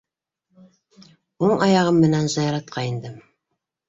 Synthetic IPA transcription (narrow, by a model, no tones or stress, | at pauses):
oɴɑjɑʁɤmːɘ̆nænzɑjɑɾɑt̪̚qʰɑind̪ɘm